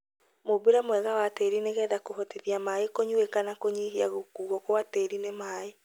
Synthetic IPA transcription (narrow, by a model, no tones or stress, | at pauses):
mobeɾamwɛɣawateɾineɣɛːðakoɦɔteðiamaekoɲuekanakoɲiɦiaɣokuɣɔkowateɾinemaːe